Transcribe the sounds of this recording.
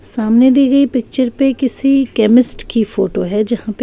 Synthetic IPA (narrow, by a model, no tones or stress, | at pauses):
saːmned̪iːɡɐipɪk̚t͡ʃəɾpekɪsikɛːmɪsʈkifoːʈoɦɛd͡ʒɐɦãpe